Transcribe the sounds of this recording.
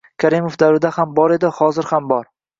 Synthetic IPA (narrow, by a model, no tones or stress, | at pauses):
kʲʰaɾɪmofd̪awɾɪd̪ahambɒɾe̞d̪ɪhɒzɪɾhambɒɾ